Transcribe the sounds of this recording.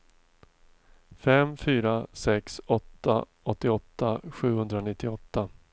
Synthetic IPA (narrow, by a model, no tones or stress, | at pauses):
fɛmfyːɾasɛksɔt̪ːa̰ | ɔt̪ːɪɔt̪ʰːaɧʉ̟ːhɵnd̪ɾanɪt̪ːɪɔt̪ːa